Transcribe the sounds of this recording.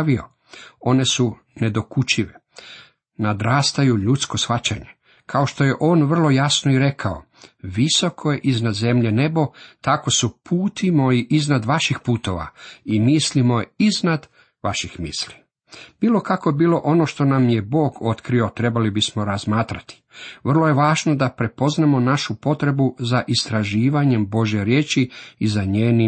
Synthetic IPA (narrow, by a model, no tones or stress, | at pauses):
ʋio̰ | o̞ne̞su | ne̞d̪o̞kut͡ʃiʋe | nad̪ɾaːst̪ajuʎut̪sko̞sfat͡ɕaɲe | kʰao̞ʃt̪o̞je̞ʔo̞ːnʋr̩lo̞jasnoiɾe̞kʰao | ʋiso̞kʰojeʔiznad̪ze̞mʎe̞ne̞bo̞t̪ako̞supʰuːt̪ʰimoiʔiznad̪ʋaʃixpuːt̪o̞ʋa̰imislimo̞iznad̪ | ʋaʃixmḭsʎʲi | b̥iːlo̞kakoebiːlˠo̞ʔo̞no̞ʃt̪o̞namje̞bo̞ːɡo̞t̪kɾio̞t̪ɾe̞balibismo̞ɾazmaːt̪ɾat̪i̥ʋr̩lˠo̞je̞ʋaːʒno̞d̪apɾe̞po̞znamo̞naʃupo̞t̪ɾe̞buzaʔist̪ɾaʒiːʋaɲe̞mbo̞ʒjeɾje̞ːt͡ʃiizaɲeːni